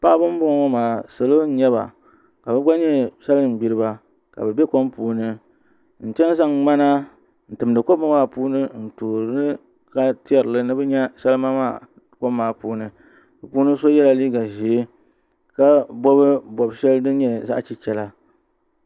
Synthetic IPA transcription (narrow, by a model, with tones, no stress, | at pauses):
pa˦ʔbɨ˦m˦bʊ˦ŋ˨˦ɔ˦maː˨sɨ˨lo˦ɲɛ˦ba̰˨ | ka˨bɨ˦ɡ͡ba˦ɲɛ˦sa˦lɨ˦˨m̩˨bi˦ɾɨ˦ba˨ | ka̰˨bɛ˨bɛ˦ko˦mpuː˨nɨ˦ | n̩˨t͡ʃɛ˦n˦za˦ŋŋ͡ma˦na˦ | n̩˨tɨ˨m˨dɨ˨ko˦ba˦maː˦˨puː˦nɨ˦n̩˨toː˨ɾnɨ˦ | ka˦ti˦ɛ˨ɾɨ˨lɨ˦nɨ˦bɛ˦ɲɛ˦sɛ˦lɨ˦ma˦maː˦˨ | ko˦bmaː˨puː˦nɨ˨ | bɨ˨puː˦nɨ˦so˦jɛ˦la˨liː˦ɡa˨ʒi˨e˦ | ka˦bɔ˦βɨ˦bɔ˨bʃɛ˦lɨ˦dɨ˦ɲɛ˦za̰˦ʔt͡ʃi˦t͡ʃɛ˦la˦